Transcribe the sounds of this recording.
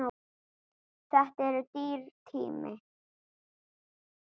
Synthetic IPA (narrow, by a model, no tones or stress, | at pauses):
t͡saht̪eɾt̪iɾt̪ʰḭmḛ